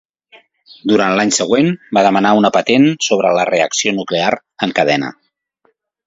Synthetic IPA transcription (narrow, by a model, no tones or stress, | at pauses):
d̪uɾant̪laɲsəɣ̞wenbaðəmənaunəpət̪ensoβɾələreəksionukleaɾ | əŋkəðɛnə̰